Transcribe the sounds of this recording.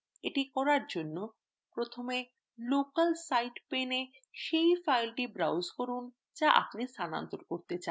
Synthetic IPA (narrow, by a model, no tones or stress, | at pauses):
eʈikɔɾaɾd͡ʑonːo | pɾot̪ʰome | lokalsajɖpene | ʃejfajlʈibɾawzkoɾun | d͡ʑaʔa̰pnist̪ʰana̰nt̪oɾkoɾt̪et͡ɕa